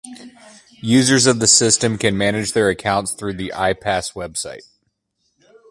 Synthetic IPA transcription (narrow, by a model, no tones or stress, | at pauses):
jʉzə˞zʌvðɨsɪstɨ̃mkɨ̃nmænɨd͡ʒðə˞ɨkʰãʊ̃ntsθɹʉðiʔa̰ɪpʰæswɛb̥saɪt̚